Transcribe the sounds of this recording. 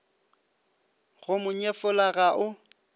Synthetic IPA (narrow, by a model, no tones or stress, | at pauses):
ɣʊmʊɲefʊlaɣaʔʊ